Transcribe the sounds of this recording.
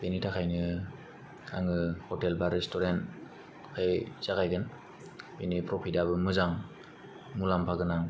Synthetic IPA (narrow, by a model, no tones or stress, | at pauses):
benitʰakʰajnɯ | aŋɯhɔtelbaɾestɔɾent | kʰɯjz̥aɡajɡɯn | benipɾɔpʰidaβɯmɯzaŋ | mulampʰaɡɯnaŋ